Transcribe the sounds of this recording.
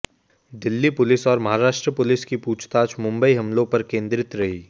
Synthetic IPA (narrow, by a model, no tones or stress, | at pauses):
d̪ɪlːipʊlɪsɔːɾmɐɦaɾaːʃʈɾəpʊlɪskipuːt͡ʃʰt̪aːt͡ʃmʊ̃mbəiɦɐmlõpɐɾkẽːnd̪ɾɪt̪ɾɐɦiː